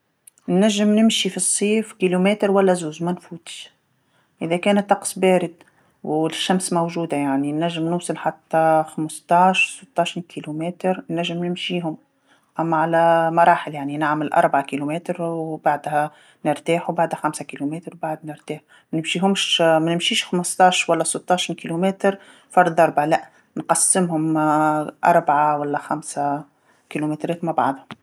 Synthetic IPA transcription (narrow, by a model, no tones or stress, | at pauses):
nːæʒːɪmnɪmʃifisˤːiːfkilumɛːt̪ɾwælːæzuːzmænfuːt̪ | ʔɪðækæːnæt̪ːɑqsˤbæːɾɪd̪ | wɪʃːæmsmowʒuːd̪ajaʕninːæʒːɪmnʊːsˤɑlħat̪ːæxamst̪ˤɑːʃsət̪ːɑːʃinkʰilumɛːt̪ɾnːæʒːɪmnɪmʃiːɦʊm | ʔæmːæʕalæmɑɾˤɑːħɪljaʕninaʕmɪlʔɑ̰ɾˤbaʕakilumæːt̪ɾwbaʕd̪hæ | nɪɾt̪aːħubaʕd̪hæxæmsakilumeːt̪ɾwbaʕd̪nɪɾt̪aːħ | mænɪmʃiːɦʊmʃmænɪmʃiːʃxaməst̪ˤɑːʃwælːæsˤət̪ˤːɑʃinkilumɛːt̪ɾ | fɑɾˤd̪ˤʔɑɾˤbʕalæʔ | nqɑsːɪmhʊm | ʔɑ̰ɾˤbʕawælːæxæmsæ | kilumet̪ɾɛːt̪mabɑ̰ʕd̪ˤhɑ